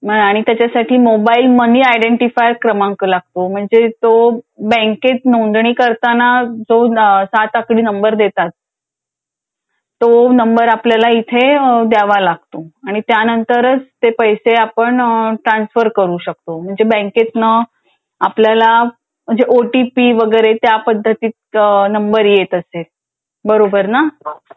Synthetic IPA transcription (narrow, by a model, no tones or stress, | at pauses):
məaɽ̃it̪jat͡ɕasaʈʰiːmobailməniajɖeɳʈifajɾkɾəmãŋklaɡ̚t̪om̤əɳd͡zet̪obɛ̃ŋket̪nond̪ɳiːkəɾt̪anad͡zosat̪akɽiːnəmbəɾd̪et̪at̪̚ | onəmbəɾapljalait̪ʰed̪aʋalaɡ̚t̪oaɽ̃it̪janənt̪əɾət͡st̪epəjseapəɳʈɾansfəɾkəɾuːɕək̚t̪om̤əɳd͡zebə̃ŋket̪nə | apljala | məd͡zeʔoʈipiʋəɡəjɾet̪japəd̪ʱːət̪iːt̪nəmbəɾjet̪əse | bəɾobəɾna